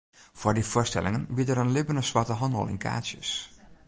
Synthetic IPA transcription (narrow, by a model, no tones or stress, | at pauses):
fordifʊərstɛ̰lɪŋənʋitəɾənlɪbənəsʋɔtəɦɔnɔ̰lˠɪ̰nkʰa̰ːsjə̰s